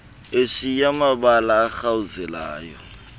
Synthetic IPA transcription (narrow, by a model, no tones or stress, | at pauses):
eʂijamabalaːxauzɛla̰ːjɔ